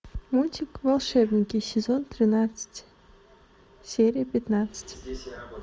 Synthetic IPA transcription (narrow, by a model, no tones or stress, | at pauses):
mulʲtʲɪkvɐlˠʂɛbnʲɪkʲɪsʲɪzont̪ɾʲɪnat̪sɨ̥tʲ | sʲeɾʲɪjəpʲɪt̪nat̪sɨ̥tʲ